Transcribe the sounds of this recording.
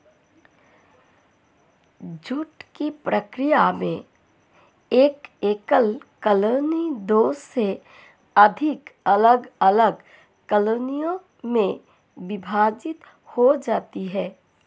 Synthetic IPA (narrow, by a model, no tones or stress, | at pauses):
d͡ʒuʈkipɾəkɾijamẽ | eːkeːkəlkəlonid̪oːsːe | əd̪ʱɪkələɡələɡ | kəlonijõ | mẽ | bɪbʱaːd͡ʒɪt̪ | hod͡ʒaːt̪iɦɛː